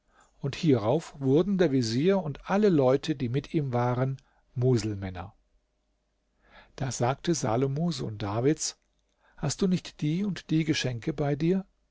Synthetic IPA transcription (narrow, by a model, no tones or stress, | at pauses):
ʔʊnthiːʁaʊfv̥ʊɐdn̩deːɐviziːɐʊntʔaləlɔʏtʰədiːmɪtʰiːmvaːʁən | muːzl̩mɛnɐ̰ | d̥aːzaːk̚təza̰ːlomozo̰ːndaːvɪt͡s | hast̚d̥uːnɪçtd̥iːʊntd̥iːɡəʃɛŋkəbaɪdiːɐ